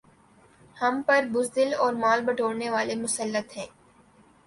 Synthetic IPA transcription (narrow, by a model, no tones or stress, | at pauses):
hɐmpɐɾbʊzd̪ɪlɔːɾmaːlbɐɖʱoːɽneʋaːlemʊsəlːət̪ɦɛ̃ː